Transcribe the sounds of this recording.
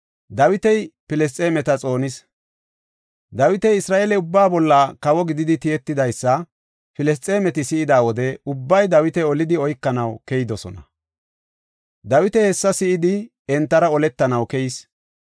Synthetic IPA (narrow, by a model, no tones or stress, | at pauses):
d̪ɐwɪt̪ɛjpɪlɛs̬tt͡sʼeːmɛt̪ɐt͡sʼo̞ːnɪs | d̪ɐwɪt̪ɛjɪsɾaːʔelɛʊbːaːbɔlːɐkɐwɔɡɪd̪ɪd̪ɪt̪ɪjɛt̪ːɪd̪ɐjsːɐ | pɪlɛs̬tʼeːmɛt̪ɪsɪɪd̪aːwɔd̪ɛʊbːɐjd̪ɐwɪt̪ɛɔlɪd̪ɪɔjkːɐnɐwkɛjɪd̪ɔsɔnɐ̰ | d̪ɐwɪt̪ɛhɛsːɐsɪʔɪd̪ɪ | ɛnt̪ːɐɾɐɔlɛt̪ːɐnɐwkɛjɪs